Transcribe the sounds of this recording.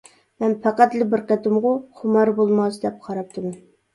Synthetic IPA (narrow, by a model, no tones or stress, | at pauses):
mɛnpʰæqæt̪lɪbɪɾqɛt̪ɨmʁʊχʰʊmɑɾbolˠmɑsd̪ɛp̚qʰɑɾɑp̚t̪ʰɨm